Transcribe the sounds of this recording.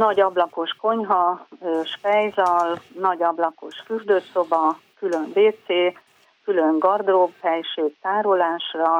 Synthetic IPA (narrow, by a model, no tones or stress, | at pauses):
nɒɟɒblɒko̞ʃko̞ɲɦɒøːʃpɛjzɒlnɒɟɒblɒko̞ʃfyrd̪øːso̞bɒkylømbeːt̪seː | kyløŋɡɒrd̪robhɛjʃeːkt̪aːɾo̞laːʃrɒ